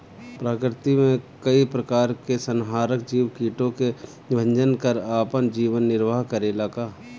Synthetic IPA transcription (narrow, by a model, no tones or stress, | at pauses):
pɾaːkɾɪt̪imẽkəipɾəkaːɾkesənɦaːɾək̚d͡ʒiːwkiːʈõke | ɪbʱə̃ɲd͡ʒənkəɾaːpənd͡ʒiːʋənːɪɾʋaːɦkəɾelaːkaː